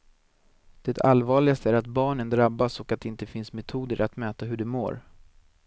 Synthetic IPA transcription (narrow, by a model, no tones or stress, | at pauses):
d̪̥ɛt̪ʰa̰lvɑːɭɪɡast̪əæɾat̪bɑːɳənd̪ɾabːasɔkat̪d̪ɛɪnt̪əfɪnsmɛt̪ʰuːd̪əɾʔa̰t̪mɛːt̪aɦɵɖɛmo̰ːɾ